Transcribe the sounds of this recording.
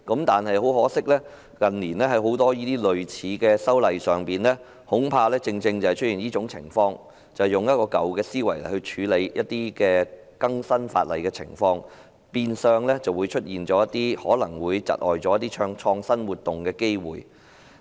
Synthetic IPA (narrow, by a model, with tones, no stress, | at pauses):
kɐ˨˥mt̪aː˨nɦɐ˨jɦo˨˥wɦɔː˨˥sɪ˥k̚lɛː˥ | kɐ˨nliː˨˩nlɛː˥ɦɐ˨˥jɦo˨˥wt̪ɔː˥jiː˥t̪iː˥lɵ˨ɥt͡sʰiː˨˥kɛː˧sɐ˥wlɐ˨jsœː˨ŋpiː˨nlɛː˥ | hʊ˨˥ŋpʰaː˧lɛː˥t͡sɪ˧ŋt͡sɪ˧ŋt͡sɐ˨whɐ˨jt͡ʃʰɵ˥tjiː˨˩njiː˥t͡ʃʊ˨˥ŋt͡sʰɪ̰˨˩ŋfɔː˧ŋ | t͡sɐ˨˩wjʊ˨ŋjɐ˥t̚kɔː˧kɐ˨wkɛː˧siː˥wɐ˨˩jlɐ˨jhɵ˧ɥt͡ʃʰyː˨˧˥le˨˧jjɐ˥t̚t̪iː˥kɛː˧ | kɐ˥ŋsɐ˥nfa̰ː˧t̚lɐ˨jkɛː˧t͡sʰɪ̰˨˩ŋfɔː˧ŋ | piː˧nsœː˧ŋlɛː˥t͡sɐ˨wuː˨˧jt͡ʃʰɵ˥t̚jiː˨nt͡ʃɔː˨˧˥jɐ˥t̪iː˥hɔː˨˥lɐ˨˩ŋwuː˨˧jt͡sɐ̰˨˩t̚ʔɔː˨jt͡sɔː˨˥jɐ˥t̪̬ːiː˥t͡ʃʰœː˧ŋt͡ʃʰɔː˧ŋsɐ˥nwuː˨t̪̚ːʊ˨ŋkɛː˧ke˥jwṵː˨j